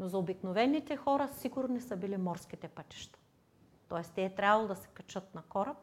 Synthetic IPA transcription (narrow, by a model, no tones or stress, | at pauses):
nozɐobiknovɛnːit̪ɛxɔɾɐsiɡʊɾnisəbilimɔɾsk̟it̪ɛpat̪ʲi̥ʃt̪ɐ̥ | t̪ɔɛst̪ɛːt̪ɾʲavɐlˠod̪ɐsɛ̥kɐt͡ʃɤt̪̚nɐkɔɾɐp̚